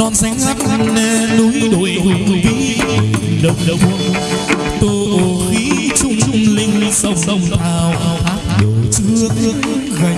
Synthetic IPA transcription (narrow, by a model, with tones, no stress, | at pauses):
ɔ˧˩nza˨˦jŋ̟za˦˥t̚ne˧nu˨˦ɗo˧˨˦jko˨˩vi˨˦˨ | ɗə˨wŋ͡mɗə˨˩w | t̪o˧jʔo˨˩xi˨˦t͡ɕʊ˧ŋ͡mt͡ɕʊ˧ŋ͡mlï˧ŋ̟˧sə˧˩wŋ͡mɗə˧˩wŋ͡maː˨˩wʔaː˨˩wʔaː˦˥p̚ɗə˨˩t͡ɕɨ˨˧˦ət̪ɨ˨˦əŋ˦ɣa˨˩